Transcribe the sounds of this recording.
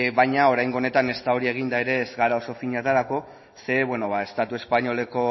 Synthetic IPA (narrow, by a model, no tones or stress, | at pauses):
βajɲao̞ɾajŋɡone̞t̪ane̞st̪aoɾie̞ɣ̞ind̪aeɾe̞ːzɣaɾao̞so̞fiɲat̪aɾako̞ | se̞βwe̞no̞βae̞st̪at̪ue̞spaɲo̞le̞ko̞